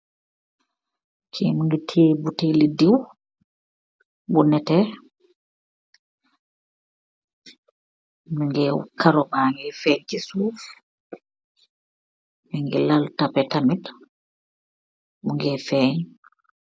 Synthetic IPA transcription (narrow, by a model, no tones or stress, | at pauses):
kʰimiŋɡitʰiːbutilidiw | bunɛtɛ | muŋɡɛkaɾɔmaŋɡɛfɛɲkisuːf | miŋɡilaltapɛtamit | muŋɡɛfɛːɲ